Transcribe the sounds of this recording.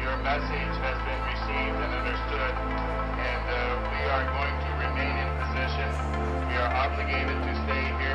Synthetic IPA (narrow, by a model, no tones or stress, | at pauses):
jə˞mɛsɪ̥d͡ʒ̥hɨzbɨ̃nɹisivdɨ̃nʌ̃ndə˞stʊd | ɨ̃nðoʊwiə˞ɡoʊɪ̃ŋtʰɨɹimẽɪ̃nɨ̃npʰɨzɪʃɨ̃n | wiə˞ʔɑblɨɡeɪɾɨd̚tʰɨsteɪɦi